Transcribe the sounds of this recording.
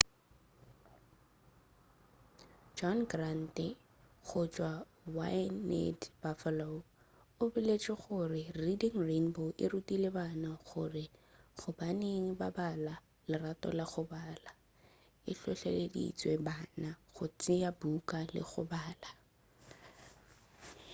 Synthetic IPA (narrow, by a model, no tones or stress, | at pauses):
d͡ʒɔnɡran̩tɪ | χʊt͡ʃʼwa | wanɛ̰db̥afalo | ʊbɪlet͡ʃʼɪχʊrɪridɪŋrenboʔɪ̰rutʼilebanaχʊrɪχʊbaneŋ̩babala | lɪratʼɔ̰laχʊbaːla | ɪɬɔɬeledḭt͡sʼwebanaɣʊt͡sʼɪabukʼalɪ̰ɣʊ̰baːla